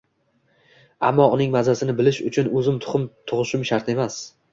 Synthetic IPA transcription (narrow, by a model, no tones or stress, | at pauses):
amːɒʊnɪŋmazasɪnɪbɪlɪʃʊ̰t͡ʃʰʊnɵzɪmt̪ʰʊ̥χʊmt̪ʰʊʁɨʃʊmʃaɾt̪e̞mas